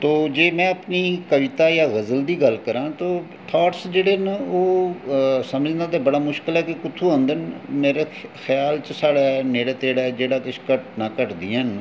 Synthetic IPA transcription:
t̪oːd͡ʒeːmɛ̃ːəpniːkəʋɪt̪aːjaːɣəzəld̪iːɡəlkəɾãːt̪oː | ʈʰaːʈsd͡ʒeːɽeːnoː | səməd͡ʒnãːt̪eːbəɽaːmʊʃkəlɛːkekʊt̪ʰːuːãːnd̪ənmeːɾeːxʰjaːlt͡ʃəsaːɽɛːneːɽeːt̪eːɽaːd͡ʒeːɽaːkɪʃkəʈnaːkəʈd̪iːən

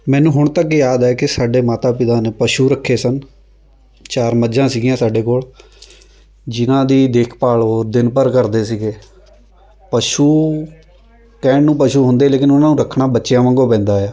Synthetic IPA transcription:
mɛ̃ːnũːɦʊɳ̃t̪əkjaːd̪ɛːkɪsaːɖeːmaːt̪aːpɪt̪aːneːpəʃuːɾəkʰːeːsən | t͡ʃaːɾməd͡ʒãːsiːɡijãːsaːɖeːkoːɭ | d͡ʒɪnãːd̪iːd̪eːkʰpaːɭɦoːɾd̪ɪnpəɾkəɾd̪eːsiːɡeː | pəʃuː | kɛːɳnũːpəʃuːɦʊnd̪eːleːkɪnʊnãːnũːɾəkʰːɳaːbətːʃjãːmə̃ŋɡoːpɛ̃ːnd̪aːaː

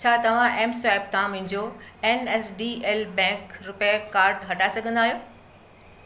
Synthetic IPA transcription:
t͡ɕʰaːt̪ɐʋ̤ãʔɛːmsɛːp̚t̪ʰãmʊ̃ɲd͡ʑoenɛːsɖiːeːlbɛ̃ːkɾʊpjakaːɾɖɦɐʈaːɪsɐɡʱə̃nd̪aːɦijoː

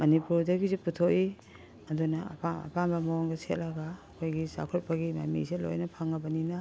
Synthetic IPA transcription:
mɐnipuɾdɐɡiziputʰoʔi | ɐdunɐ̰paɐ̰pambɐmaɔŋɡɐset̚laɡaːkʰojɡisa̰kʰot̚pɐɡima̰mḭselo̰jnɐpʰaŋɐbɐninɐ

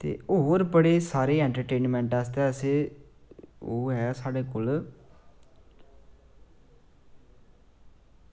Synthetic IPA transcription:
t̪ḛːoɾbəɽeːsaːɾeːɛ̃ːɳʈəɾʈeːnmɛ̃ːɳʈast̪eːəseː | oːɦɛasaːɖeːkoːl

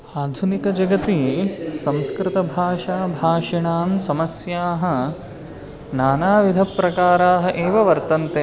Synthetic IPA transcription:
aːd̪ʱunikɐd͡ʒɐɡɐt̪isɐ̃mskɾɪt̪ɐbʱaːʂaːbʱaːʂiɳaːmsɐmɐsjaːɦɐ̆ | naːnaːʋid̪ʱɐpːɾɐkaːɾaːɦɐ̆ʔeːʋɐʋɐɾt̪ɐnt̪e

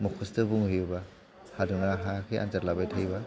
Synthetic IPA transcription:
mɔkʰustɯbuŋhɯjuba | haduŋaɦakʰiʔa̰nzaɾlabajtʰajba

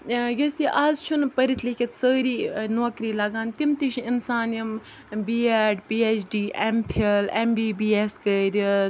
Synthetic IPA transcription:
jɐsiʔaːzt͡ʃʰunpəɾit̪ʰlikʲit̪səːɾiːnoːkɾiːlɐɡaːnt̪imt̪iʃɪnsaːnjɐm | biːeːʈpiːet͡ʃʰɖiːʔempʰelembiːbiːeskəɾʲ

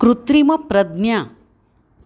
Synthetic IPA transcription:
kɾut̪ɾimɐpɾɐd̪nja

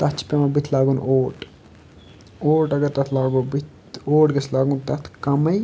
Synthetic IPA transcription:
t̪ɐt͡ʃʰpẽmãbɪt̪ʰlaːɡuːn̰oːʈ | oːʈɐɡəɾt̪ɐt̪ʰlaːɡoːbit̪ | oːʈɡɐslaːɡũnt̪ɐt̪ʰkɐmɐj

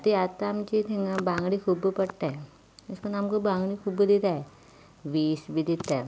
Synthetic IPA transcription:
t̪iat̪amt͡ʃit̪ʰiŋɡãbãːŋɡɽikʰubpɐɽʈ̪aɛ | ɪskonaːmkobãːŋɡɽikʰubd̪it̪aɛ | ʋiːsbʱid̪it̪aɛ

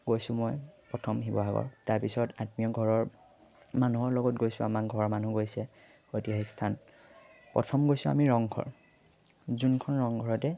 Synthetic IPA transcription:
ɡojsʊmɔjpɹɔtʰɔmɦibɔaɡɔ̰ɹtaɹpisɔtatmijɔɡʱɔɹɔɹ | manuɦɔɹlɔɡɔtɡojsʊamak̚ɡʱɔɹɔmanuɡojsɛ | xojtiɔɦɛkstʰan | pɹɔ̰tʰɔmɡojsʊ̃a̰miɹɔŋɡʰʱɔ̰ɹ | zunkʰɔnɹɔŋɡʱɔɹɔtɛ

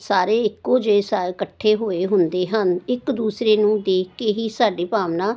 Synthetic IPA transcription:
saːɾeːɪkːoːd͡ʒeeːsaːkəʈʰːeːɦoːeːɦʊnd̪eːɦənɪkd̪uːsɾeːnũːd̪eːkkeːɦiːsaːɖeːpaːʋnãː

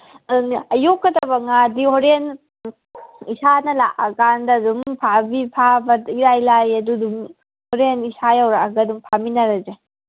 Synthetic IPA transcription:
ɐjokːɐdɐbɐŋadihoɾen | isanɐla̰ʔɐɡandɐdumpʰabipʰabɐiɾajlajɐdudum | hoɾenisajawɾaɐɡɐdumpʰaminɐɾɐze

